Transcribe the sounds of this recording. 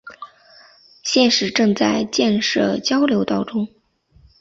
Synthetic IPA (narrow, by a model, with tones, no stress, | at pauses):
ɕjɛ˥˩nʂɻ̩˧˥ʈ͡ʂɤ˥˧ŋt͡sa˥˧ɪt͡ɕjɛ˥˧nʂɤ̰˥˩t͡ɕjɑ˥ʊljo˧˥ʊt̪ɑ˥˩ʊʈ͡ʂʊ˥ŋ